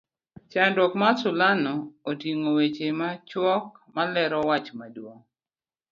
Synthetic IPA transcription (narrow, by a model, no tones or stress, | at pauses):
t͡ʃandɔkmasʊlanɔːtiŋowet͡ʃemat͡ʃwɔk̚malɛɾɔwat͡ʃmadwoŋ